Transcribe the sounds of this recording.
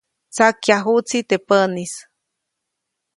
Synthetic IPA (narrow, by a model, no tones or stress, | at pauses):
t͡sakjaɦut͡sit̪epənis